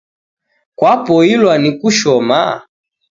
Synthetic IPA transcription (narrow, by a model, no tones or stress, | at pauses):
kwapɔilwanikuʃɔma̰